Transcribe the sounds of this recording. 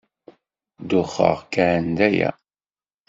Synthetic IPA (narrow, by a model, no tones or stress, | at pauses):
d̪ʊχːə̰ʁkæʕənd̪æjæ̰